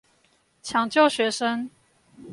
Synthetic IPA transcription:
t͡ɕʰjɑ˨˦ŋt͡ɕjo˥˩ʊɕɥɛ˧˥ʂə˦ŋ

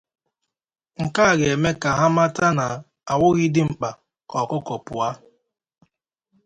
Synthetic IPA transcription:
ŋ̩˨ka˦˨ɡe˨me˦ka˨ɦa˦ma˦ta˦na˨ | a˨wʊ˦ɣɪ˦dɪ˦ŋ͡m̩˨k͡pa˨ | kɔ˨kʊ˦kɔ˨pʊ˨a˦

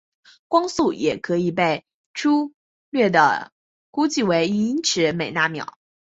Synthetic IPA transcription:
kwɑ˥ŋsu˥˩jɛ˨˩kʰɤ˧˥i˨˩pe˥˩ɪ | ʈ͡ʂʰu˥ | lɥɛ˥˩d̪ə̰˩ | ku˥t͡ɕi˥˩we˧˥ɪi˧˥i˥nʈ͡ʂʰɻ̩˧˥me˨˩ɪna˥˩mjɑ̰˨˩˦

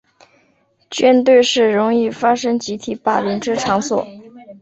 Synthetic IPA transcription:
t͡ɕɥɛ˥nt̪we˥˧ɪʂɻ̩˥˩ɻʊ˧˥ŋi˥˩fa˥ʂɤ˥ŋt͡ɕi˧˥t̪ʰi˧˩pa˨˩li˧˥ŋʈ͡ʂɻ̩˥ʈ͡ʂʰɑ˧˥ŋswɔ̰˨˩˦

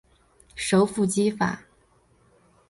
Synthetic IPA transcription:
ʂo˧˥ʊfu˥˩t͡ɕi˥fa̰˨˩˦

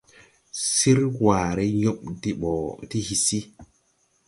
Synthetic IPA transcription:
si˦ɾwaː˨ɾɛ˦ɲɔ˦ɓdi˨ɓɔ˨ti˦hi˨si˦

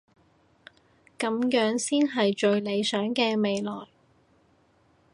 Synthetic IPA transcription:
kɐ˨˧mjœː˨˥ŋsiː˥nɦɐ˨jt͡ʃɵ˨˧ɥle˨˧jsœː˨˥ŋkɛː˧me˨jlɔː˨˩j

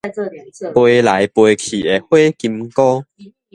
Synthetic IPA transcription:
pwe˧la˨˦jpwe˧kʰḭ˨˩e˨hwe˦ki˧mkɔ˦

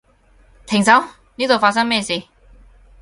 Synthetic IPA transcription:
t̪ʰɪ˨˩ŋsɐ˨˥w | niː˥t̪o˨wfaː˧t̚s̬ɐ˥ŋmɛː˥˩siː˨˩

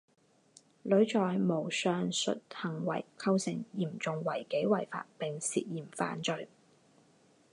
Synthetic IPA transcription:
lɵ˨˥ɥt͡ʃɔː˨jmo˨˩wsœː˨˧ŋsɵ̰˨t̚hɐ˨˩ŋwɐ˨˩jkʰɐ˥wsɪ˨˩ŋjiː˨˩mt͡sʊ˨ŋwɐ˨˩jke˨˥jwɐ˨˩jfa̰ː˧t̚pɪ˨ŋsḭː˧t̚jiː˨˩mfa̰ː˨nt͡ʃɵ˨˧ɥ

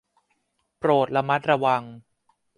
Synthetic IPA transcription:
pɾoː˨˩t̪̚la˧ma˦˥t̪̚ɾa˧wa˧ŋ

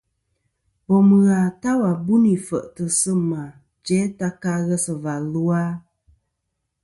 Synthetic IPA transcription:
bɔ˨mɨ˨ɣa˨ta˦wa˨bu˦ni˨fə̰˨ʔtə˨sɨ˦ma˨ | d͡ʒɛ˨˦ta˦ka˦ɣɛ˦sə˨va˨lu˦a˦

